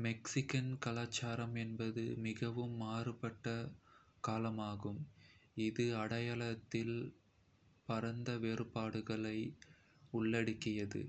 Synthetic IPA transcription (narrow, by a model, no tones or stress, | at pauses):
mɛksɪkɐnkɐlaːt͡ʃːaːɾɐmɛnbɐðɯmɪɣɐʋɯmːaːrɯpɐʈːɐkaːlɐmaːɣɯmɪðɯɐɽɐjaɭɐt̪ːɪl | pɐɾɐnd̪ɐʋeːɾɯpaːɽɯɣɐɭɐɪ | ʊɭːɐɽɯkːɪjɐðɯ̰